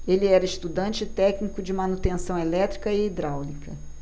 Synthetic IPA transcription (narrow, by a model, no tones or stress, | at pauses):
elɪɛɾɐɪʃt̪ud̪ɐ̃nt͡ʃɪt̪ɛknikʊd͡ʒɪmɐnut̪ẽsɐ̃w̃elɛt̪ɾikɐɪːd̪ɾawlikɐ